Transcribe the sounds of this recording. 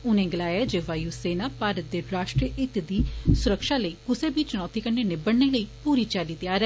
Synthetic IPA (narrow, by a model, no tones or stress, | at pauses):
ʊnẽːɡəlaːjaːd͡ʒeːʋaːjuːseːnaːpaːɾət̪̚d̪eːɾaːʃʈɾijəʔɪt̪d̪iːsʊɾəkʃaːləiːkʊseːbit͡ʃʊnɔːt̪iːkəɾneːneːbəɽneːləiːpuːɾiːt͡ʃaːliːt̪ɪjaːɾɛ